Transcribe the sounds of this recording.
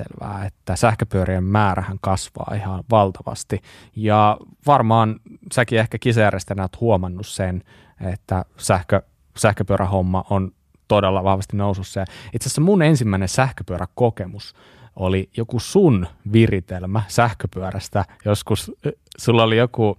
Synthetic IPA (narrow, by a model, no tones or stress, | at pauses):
ḛlʋæ̰ːet̪ːæsæhkøpyøɾiemmæːɾæhæŋkɑsʋɑ̰ːihɑʋɑlt̪ɑʋɑ̰st̪i | jɑʋɑrmɑːnsækiehkækisɑjærjest̪enæot̪huomɑnːussen | et̪ːæsæhkø | sæhkøpyørʔæhomːɑʔon | t̪odelːɑʋɑhʋɑst̪innoususːɑjɑit̪seæsːemunensimːæinensæhkøpyøɾækokemus | olijokusunʋirit̪elmæsæhkøpyøræst̪æjoskussulːolijoku